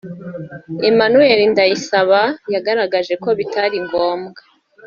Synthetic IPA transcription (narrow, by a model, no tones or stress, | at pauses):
emanueɾindajisaβajaɡaɾaɡaʒe̞ko̞βitaɾiŋɡo̞ːmɡa